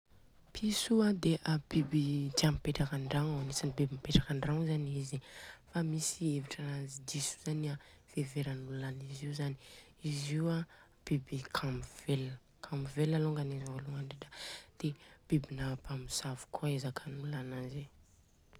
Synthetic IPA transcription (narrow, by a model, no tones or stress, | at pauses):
pʰisuad̪eʔab̥ibit̪ampeʈ͡ʂakaɳɖ͡ʐaŋawanisinibibimpeʈ͡ʂakaɳɖ͡ʐaŋzaniizifamisieviʈ͡ʂanazid̪isu̥z̥ania | v̥eveɾanulaniziwzani | iziwa | b̥ibikʰamv̥elə | kʰãmivelaloŋɡanezavoluŋaɳɖ͡ʐeʈ͡ʂad̪̥eb̥ibinapamisavu̥kʰuaezakʰanulanaze